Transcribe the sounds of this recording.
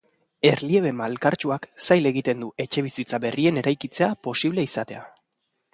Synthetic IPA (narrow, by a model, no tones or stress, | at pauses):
e̞ɾlie̞β̞e̞malkaɾt͡ʃuaksajle̞ɣ̞it̪e̞nd̪uʔe̞t͡ʃe̞β̞isit͡saβe̞rie̞ne̞ɾajkit͡se̞apo̞siβle̞isat̪e̞a